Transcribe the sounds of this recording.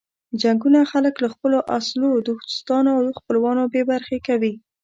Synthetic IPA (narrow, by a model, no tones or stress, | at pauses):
d͡ʒaŋɡunaxaləklaxpəloʔaslod̪əxd̪ɪ̥st̪ɑnoawd̪əxpəlwɑnobebaɾxekawi